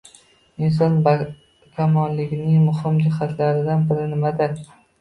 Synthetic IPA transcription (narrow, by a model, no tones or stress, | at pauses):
ɪns̬ɒnb | kʲʰamɒnlɪɡʲɪnɪŋmʊhɪmd͡ʒɪhat̪ʰlaɾɪd̪anbɪɾɪnɪmad̪ɪɾ